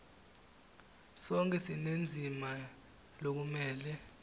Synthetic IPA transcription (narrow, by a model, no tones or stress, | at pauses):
sɔŋkʼɛsinend͡zʱima | lok̬umɛːlɛ